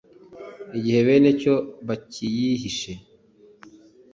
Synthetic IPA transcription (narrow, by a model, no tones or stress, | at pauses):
iɟihe̞βe̞ːneco̞βacʰijihiʃe